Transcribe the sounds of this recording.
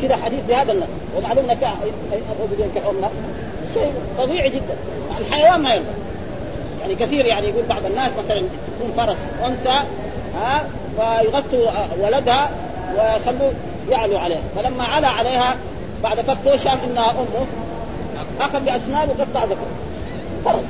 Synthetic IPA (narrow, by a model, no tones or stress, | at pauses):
kid̪aħad̪iːθbihaːd̪anːɑsˤwɪmaʕluːmʔɪnːak | jʔabʔabd̪iːnkalʔʊmna | ʃeːt̪ˤɑðˤiːʕid͡ʒid̪ːan | aʕlħajawaːnmajɑlbɑ̰ | jaʕnikaθiːɾjaʕnijaɡuːlbɑʕd̪ˤanːaːsmaθalant̪akuːnfɑɾˤɑsˤ | ʔʊnt̪a | haː | wajɣat̪ːuwalad̪ha | wɪxalːuː | jaʕluʕaleːha̰falamːaʕalaʕaleːha | baʕd̪ʔafakːɪʃaːfʔɪnːahaʔʊmːu | ʔaxad̪ˤbiʔasnaːbwɪɡɑt̪ːˤbaʕzˤakɾ | fɑɾˤɑsˤ